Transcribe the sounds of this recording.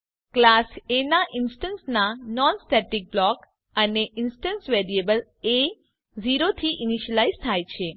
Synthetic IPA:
klasenaʔinsʈənsnanɔnsʈɛʈik̚blɔk | əneʔinsʈənsʋeɾiebəl | e | ziɾot̪ʰiʔiniʃəlaizt̪ʰajt͡ʃʰe

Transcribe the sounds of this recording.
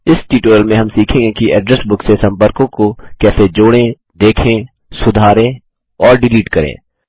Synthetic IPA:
ɪsʈiːʈoːjəlmẽɦɐmsiːkʰẽːŋɡekiʔɛːɖɾɛsbʊksesɐ̃mpəɾkõkokɛːsed͡ʒoːɽẽ | d̪eːkʰẽː | sʊd̪ʱaːɾẽ | ɔːɾɖɪliːʈkɐɾḛ̃ː

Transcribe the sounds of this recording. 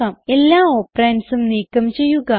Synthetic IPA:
ɐme̞lːaːoːpɾensumniːkːɐmt͡ɕe̞jːuɣɐ

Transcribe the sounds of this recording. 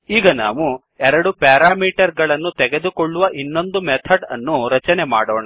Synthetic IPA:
iːɡɐna̰ːʋu | ɛɾɐɽupjaːɾaːmiːʈɐɾɡɐɭɐnːut̪ɛɡe̞d̪ukoɭːuʋɐʔinːo̞nd̪umɛt̪ʰɐɖɐ̰nːuɾɐt͡ʃɐnemaːɽɔːɳa

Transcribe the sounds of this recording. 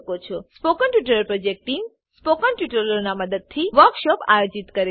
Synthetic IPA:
kot͡ʃʰɔspokəɳʈjuʈəɾəɾpɾod͡ʒek̚ʈiŋɡ | spokənʈjuʈəɾənaməd̪əd̪̚t̪ʰiʋəɾkʃɔpa̰jod͡ʒit̪kəɾe

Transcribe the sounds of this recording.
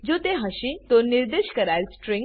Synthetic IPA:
d͡ʒot̪eɦəʃit̪oniɾd̪eʃkəɾaɾsʈɾẽŋ

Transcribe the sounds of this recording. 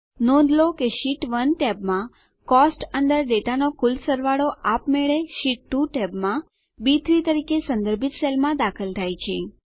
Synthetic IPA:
nɔ̃nd̪ʱlokeʃiʈʋənʈɛbmã | kɔsʈənd̪əɾɖeʈanokulsəɾʋaɽoʔapmɛɭeʃiʈːuʈɛbmã | bit̪ʰɾit̪əɾikesə̃nd̪əɾbʱit̪selmãd̪akʰəlt̪ʰajt͡ʃʰe

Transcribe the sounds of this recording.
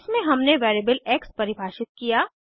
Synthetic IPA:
smẽɦɐmneʋɛːɾeːbəlɛːkspɐɾɪbʱaːʃɪt̪̚kijaː

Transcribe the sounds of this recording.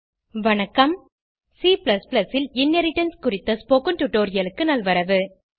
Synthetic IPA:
ʋɐɳɐkːɐm | siːplɐsplɐsɪlɪnːɐɾɪʈːɐnskʊɾɪt̪ːɐspoːkɯnʈʊʈːoːɾɪjɐlɯkːɯnɐlʋɐɾɐʋɯ

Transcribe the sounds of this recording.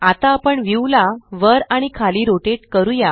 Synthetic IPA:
at̪aːpəɳʋiwlaʋəɾaɽ̃ikʰaliːɾoʈeʈ̚kəɾuja

